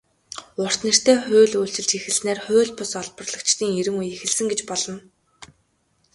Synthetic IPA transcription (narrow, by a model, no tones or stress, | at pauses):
ʊr̥t̪nĕr̥t̪eːχʊːɮuːɬt͡ɕɪ̆ɮt͡ɕexɘ̆ɮsneːrχʊːɮʲpʊsɔɮpɞ̆rɮə̆kt͡ɕt̪iːŋeɾɘ̆ŋujexɘ̆ɮsɘ̆ŋɡet͡ɕpɔɮɞ̆n